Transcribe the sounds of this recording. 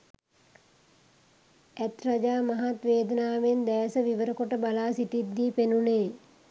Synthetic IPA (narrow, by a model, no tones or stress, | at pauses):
æt̪rad͡ʒaːmaɦat̪ʋeːd̪ənaːʋend̪ɛːsəʋiʋəɾəkoʈəbalaːsiʈid̪ːiːpenuneː